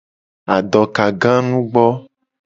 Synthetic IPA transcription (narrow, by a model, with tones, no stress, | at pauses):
a˨ɖɔ˨ka˨ɡã˦nũ˦ɡ͡bɔ˦